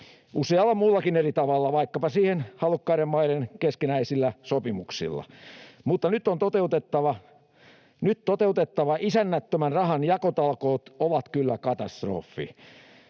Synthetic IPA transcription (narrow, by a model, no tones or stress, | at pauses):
useɑlːɑmulːɑkinerit̪ɑʋɑlːɑʋɑikːɑpɑsiːhenhɑlukːɑiɾemmɑiɾenkeskinæisilːæsopimuksḭlːɑ̰mut̪ːɑnyt̪ːont̪ot̪eut̪et̪ːɑʋɑ | nyt̪t̪ot̪eut̪et̪ːɑʋɑisænːæt̪ːømænrɑhɑnjɑkot̪ɑlkoːt̪oʋɑt̪kylːækɑt̪ɑst̪ro̰ːfːḭ